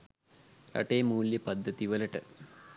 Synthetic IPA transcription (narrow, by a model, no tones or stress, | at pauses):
ɐ̰ʈeːmuːljɐpɐd̪ʱːɐt̪iʋɐlɐʈɨ̰